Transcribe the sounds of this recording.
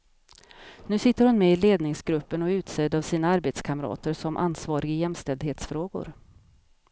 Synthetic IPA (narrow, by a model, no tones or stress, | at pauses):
nʉ̟ːsɪt̪ːəɾhʊnmɛɪleːd̪nɪŋsɡɾɵpːənɔʉ̟ːt̪seːd̪avsiːnaaɾbeːt̪skʰaməɾɑ̰ːt̪əɾʂɔmʔa̰nsvɑːɾɪɡɪjɛmst̪ɛld̪heːt̪sfɾoːɡʊ̰ɾ